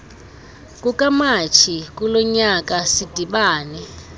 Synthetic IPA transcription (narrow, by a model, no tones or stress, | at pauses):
k̬ʼukʼamat͡ʃʰik̬ʼulɔɲak̬ʼasid̥ʱiɓaːnɛ